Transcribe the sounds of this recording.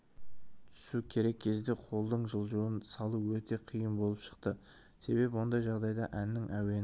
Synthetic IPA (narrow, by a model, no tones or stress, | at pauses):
t̪ʰʏ̥sukʲʰe̞ɾe̞kʲʰe̞zd̪e̞qʰo̞lˠd̪əɴʒəlˠʒuənsɑlˠəwɵt̪e̞qʰijəmbo̞lˠəpʃə̥qt̪ə | se̞be̞bɪwo̞nd̪ɑjʒɑʁd̪ɑjd̪ɑʔænːɪŋʔæwe̞n